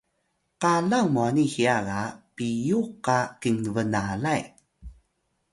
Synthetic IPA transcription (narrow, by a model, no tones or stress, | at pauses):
qaɮaŋmuanihiaɣapijuqakiŋəvənalaj